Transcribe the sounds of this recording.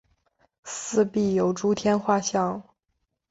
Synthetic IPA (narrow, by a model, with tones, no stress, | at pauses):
sɹ̩˥˧pi˥˩jo˨˩ʊʈ͡ʂu˥t̪ʰjɛ˥nxwa˥˧ɕjɑ˥˩ŋ